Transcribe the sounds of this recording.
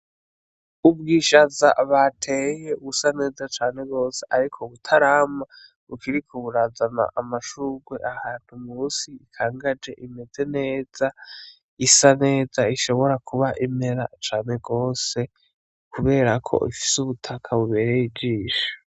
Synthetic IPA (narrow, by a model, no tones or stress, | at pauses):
ubɡiːʃaza̰βatʰeːje̞uβusane̞ːzat͡ʃaːne̞ɡo̞ːse̞ʔaɾikʰoβutʰaɾaːma | ukiɾikʰoβuɾazana̰ʔamaʃuɡwe̞ʔahaːn̥humuːsiikʰaːŋɡad͡ʒe̞ʔime̞ze̞ne̞ːz̥a | isane̞ːzaiʃo̞βo̞ɾakʰuβaʔime̞ɾa̰t͡ʃaːne̞ɡo̞ːse̞ | kuβe̞ːɾakʰo̞̰ʔifi̥suβutʰakʰaβuβe̞ːɾejid͡ʒiːʃḁ